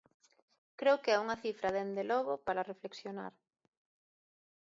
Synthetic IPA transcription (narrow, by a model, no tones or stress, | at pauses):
kɾewkeɛuŋɐθifɾɐðend̪elɔɣʊpaɾarefleksjona̰ɾ